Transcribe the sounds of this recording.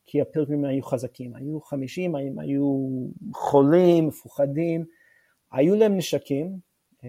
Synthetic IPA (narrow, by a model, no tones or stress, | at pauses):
kʰiapilɡimajuχazakʰimajuχamiʃimama̰ju | χolimːefuχadim | ajulaemneʃakʰim